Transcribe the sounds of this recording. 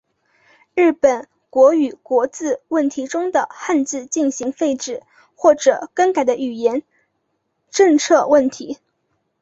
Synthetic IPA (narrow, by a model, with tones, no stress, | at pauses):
ɻ̩˥˩pə˨˩n | kwɔ˧˥y˨˩kwɔ˧˥t͡sɹ̩˥˧wə˥˩nt̪ʰi˧˥ʈ͡ʂʊ˥ŋd̪ə˨xa˥˧nt͡sɹ̩˥˧t͡ɕi˥˩nɕi˧˥ŋfe˥˧ɪʈ͡ʂɻ̩˥˩ | xwɔ˥˩ʈ͡ʂɤ˨˩kə˥nka˨˩ɪd̪ə˦y˨˩jɛ˧˥n | ʈ͡ʂɤ˥˧ŋt͡sʰɤ˥˧wə˥˩nt̪ʰi˧˥